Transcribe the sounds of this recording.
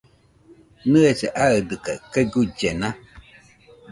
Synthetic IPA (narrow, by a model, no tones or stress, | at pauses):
nɨeseʔaɨd̪ɨkakeɡud͡ʒena